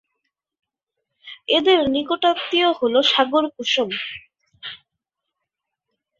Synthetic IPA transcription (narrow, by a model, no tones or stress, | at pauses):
ed̪eɾnikoʈat̪ːioɦoloʃaɡoɾkuʃom